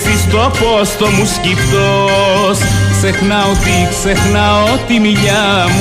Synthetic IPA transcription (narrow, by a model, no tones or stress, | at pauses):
θist̪opost̪omuscipt̪osksexnɐot̪iksexnɐot̪imiʎɐm